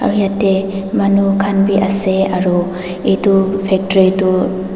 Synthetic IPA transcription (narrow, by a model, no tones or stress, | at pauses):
a̰wijatemanukʰanbiʔaseaɾu | etupʰek̚tɾitu